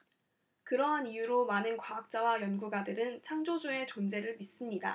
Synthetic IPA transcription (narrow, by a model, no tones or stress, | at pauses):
kɯɾʌɦanijuɾomanɯnkwaak̚t͡ɕ͈awajʌnɡuɡadɯɾɯnt͡ɕʰaŋd͡ʑod͡ʑue̞t͡ɕond͡ʑe̞ɾɯɭmis͈ɯmɲida̰